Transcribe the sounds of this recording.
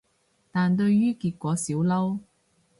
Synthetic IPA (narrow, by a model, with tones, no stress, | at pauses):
t̪aː˨nt̪ɵ˧ɥjyː˥kiː˧t̚kʷɔː˨˥siː˨˥wlɐ˥w